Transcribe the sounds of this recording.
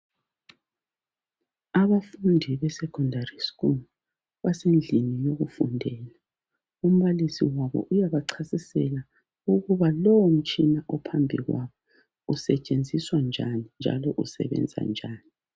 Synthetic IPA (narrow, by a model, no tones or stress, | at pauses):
aβafundʱiβɛsɛkʰʼɔndʱariskul | βasend͡ɮʱinijoɣufṵndʱɛːla | um̩βalisḭwaβɔ̰ʔujaβaǀʰasisɛla | uɣuβalɔwɔm̩t͡ʃʼinaʔɔpʰambʱiɣwa̰βɔ | usɛt͡ʃʼend͡zʱiswand͡ʒʱanind͡ʒʱa̰lɔʔusɛ̰βɛ̰nd͡zʱa̰nd͡ʒʱaːni